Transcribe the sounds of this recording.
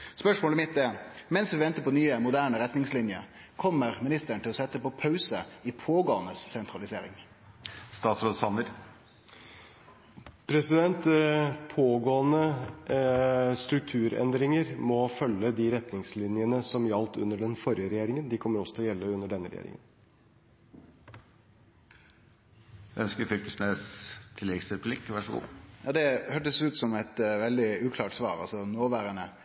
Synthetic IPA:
spœʂmoːlmɪt̪̚d̪ɛmɛnsʋɪʋɛnt̪əpɔnyːəmʊd̪æːɳəɾɛt̪nɪŋslɪnjə̰ | kʰɔmːəɾmɪnɪst̪əəɳ̩t̪ɪlɔsɛt̪ːəpɔpʰɑʉsəɪpʰoːɡoːnəsːɛnt̪ɾɑlɪsḛːɾɪ̰ŋ | st̪ɑːt̪sɾoːd̪sɑnəɾ | pʰɾɛsɪd̪ɛnt̪pʰoːɡoːənə | st̪ɾʉk̚t̪ʰʉːɾɛ̰nd̪ɾɪŋəɾmɔfœlːəd̪ɪɾɛt̪nɪŋslɪnɪjənəsɔmjɑlt̪ʉnːəɖɛnfɔɾjəɾɛjeːɾɪŋənd̪ɪkʰɔmːəɾɔsːɔt̪ʰɪɔjɛlːəʉnːəɖɛnːəɾɛ̰jḛːɾɪ̰ŋə̰n | æœnskəfʏk̪əsnest̪ʰɪlɛɡsɾəpʰlɪkːʋɑʂɔɡṵːjɑːd̪ɛhøːʈəsʉːt̪sɔmɛt̪ʋɛld̪ɪʉːkʰlɑːʈsʋɑ̰ːɾɑ̰lsɔnoːʋæːɾənə

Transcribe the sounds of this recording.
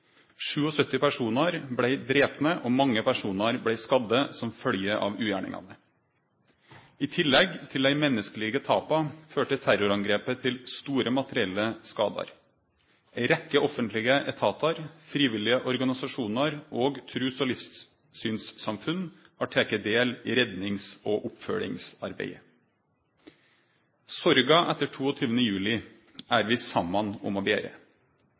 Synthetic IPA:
ʂʉːɔsœt̪ːɪpæʂuːnɑɾblæɪd̪ɾeːpnəʔomɑŋːəpʰæʂuːnɑɾblæɪskɑd̪ːəsɔmfœljəʔɑ̰ʋʉːjæ̰ːɳɪ̰ŋɑ̰nə | ɪt̪ʰɪlːɛɡt̪ʰɪlæɪmɛnːəskəliːɡət̪ʰɑːpɑføːʈət̪ʰæɾʊɾɑŋɡɾeːpət̪ʰɪlst̪uːɾəmɑt̪əɾɪɛlːəskɑ̰ːd̪ɑ̰ɾ | ʔæɪɾɛkːəʔɔfənt̪ʰlɪɡəʔɛt̪ʰɑːt̪ɑɾfɾiːʋɪlːɪəʔɔɾɡɑnɪsɑʂuːnɑɾʔoːɡt̪ʰɾʉːsɔːlɪfs | syːnssɑmfʉn | ɑʈʰeːkəd̪eːlḭːɾɛd̪nɪŋsoːʔʊpfœ̰ɭɪ̰ŋsɑ̰ɾbḛɪ | sɔɾɡɑʔɛt̪ːəʈʰuːɔt̪ʰyːʋənəjʉːlɪ | æːɾʋɪsɑmːɑnɔ̰mɔbḛːɾə̰

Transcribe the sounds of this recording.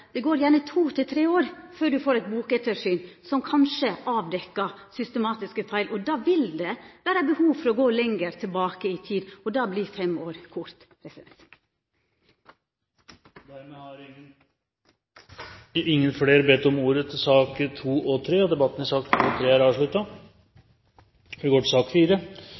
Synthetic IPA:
d̪̥ɛɡoːɾjæːɳət̪ʰuːt̪ʰɪt̪ʰɾeːoːɾføːɖʉfoːɾɛɪt̪̚buːkɛt̪ʰəʂyːnsɔmkʰɑnʃəʔɑːʋd̪ɛkːɑsʏst̪əmɑːt̪ɪskəfæɪlʔɔd̪ɑːʋɪld̪ɛʋæːɾəbəhuːʋfɔɾɔɡoːlɛŋɡəɾt̪ʰɪlbɑːkəɪt̪ʰiːd̪ɔd̪ɑːbliːfɛmoːɾkʰʊɾt̪ | pʰɾɛsɪd̪ɛnt̪ | d̪æɾmɛhɑɾɪ | ɪŋːənfɽeːɾbɛt̪ːɔmuːɾət̪ʰɪsɑːkt̪ʰuːʔɔt̪ʰɾeːɔd̪ɛbɑt̪ːn̩æsɑːk̚tt̪ʰuːt̪ʰɾeːæɾɑːʋʂɭʉt̪ɑ | ɛɡoːʈɪsɑːkfiːɾə

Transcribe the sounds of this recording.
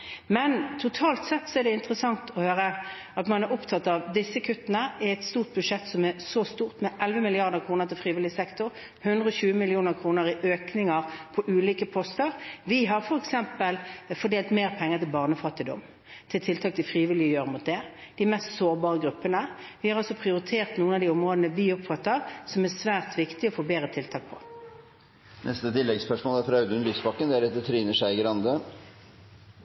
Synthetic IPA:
mɛnt̪ʰʊt̪ʰɑːlt̪sɛt̪ːsɔɛɖɛɪnt̪əɾəsɑŋt̪ʰɔhøːɾə | ɑt̪mɑnɛɾɔpt̪ʰɑt̪ːɑʋd̪ɪsːəkʰʉt̪ːənəɪɛt̪st̪uːʁt̪̚bʉdʂɛt̪ːsɔmɛɾsɔst̪uːʁt̪mɛʔɛlʋəmɪlɪɑʁd̪əʁkʰɾuːnəɾt̪ʰɪlfɾiːʋɪlɪsɛkt̪ʊɾ | hʉnd̪ʁəɔɕʉːəmɪlɪuːnəʁkʰɾuːnəɾɪʔøːknɪŋəɾpʰɔʔʉːliːkəpʰɔst̪əɾʋɪɦɑɾfɔɾɛksɛmpəlfɔɖ̪eːlt̪meːʁpʰɛŋːəʁt̪ʰɪlbɑʁnəfɑt̪ːɪd̪ɔ̰m | t̪ʰɪlt̪ʰɪlt̪ʰɑːk̚t̪ʰɪlfɾiːʋɪlɪəjøːɾəmʊt̪̚d̪ɛ | d̪̥ɪmɛst̪soːɾbɑːʁəɡɾʉpːənəʋɪhɑɾɑlsɔpʰʁɪʊɾɪt̪ʰeːʁt̪nuːənɑʋd̪iːɔmʁoːd̪nəʋiːɔpfɑt̪ːəʁsɔmæsʋæːʁt̪ʋɪkt̪ɪɔfoːbeːɾət̪ʰɪlt̪ʰɑːk̚pʰɔ̥ | nʔɛst̪ət̪ɪlːɛɡspœʂmoːlæɾfɾɑʉd̪ʉnlyːsbɑkːənd̪ɛæɾɛt̪̚d̪ət̪ʰɾiːnəʂæɪɡəɾɑnd̪ə

